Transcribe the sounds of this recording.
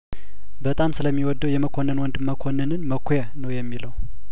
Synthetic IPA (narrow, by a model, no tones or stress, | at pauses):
bət̪ʼamsɨləmːiwɔd̪ːəwjɛməkʰonːənwɔnd̪məkʰonːənɨnməkʷʰːojənəwjɛmːiləw